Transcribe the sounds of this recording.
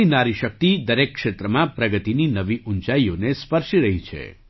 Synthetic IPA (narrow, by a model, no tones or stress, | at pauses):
inaɾiʃək̚t̪id̪əɾekːʃet̪ɾəmãpɾəɡət̪ininəʋiʔunt͡ʃaionespəɾʃiɾəɦit͡ʃʰḛ